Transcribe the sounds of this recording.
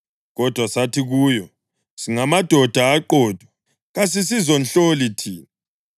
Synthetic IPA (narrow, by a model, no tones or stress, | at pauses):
ɣɔd̥ʱwasatʰiɣuːjɔ | siŋamad̥ʱɔd̥ʱaːǃɔːd̥ʱwa | ɣas̬is̬izɔnɬolitʰiːna